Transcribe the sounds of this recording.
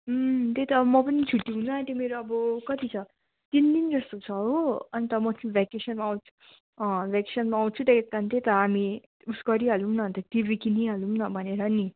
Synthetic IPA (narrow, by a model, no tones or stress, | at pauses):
t̪et̪ʌːbʌmʌpʌnit͡sʰuʈːiɦunaant̪emeɾoʌbʌkʌt̪it͡sʰʌ | t̪ind̪ind͡zʌst̪ot͡sʰʌɦoʌnit̪ʌmʌt͡sʰĩbʱakesʌnmaːwt͡sʰu̥ | bʱakesʌnmaːw̃t͡sʰut̪eket̪ant̪et̪ʌami | uskʌɾiɦʌlumnʌnt̪ʌt̪ibikiniɦʌlumnʌbʱʌneɾʌni